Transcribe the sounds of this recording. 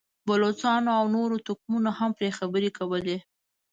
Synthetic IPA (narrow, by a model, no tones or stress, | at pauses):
bʊlot͡sɑnoawnoɾot̪ʊkmunohampɾexabəɾekawəle